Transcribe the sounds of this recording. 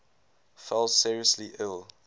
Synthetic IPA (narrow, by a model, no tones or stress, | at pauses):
fɛlˠsiːɹiəsliʔɪlˠ